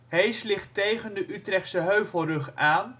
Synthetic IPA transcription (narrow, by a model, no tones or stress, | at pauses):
ɦejslɪχtejχəndəʔytrɛχtsəɦøɥvəlˠrɵχaːn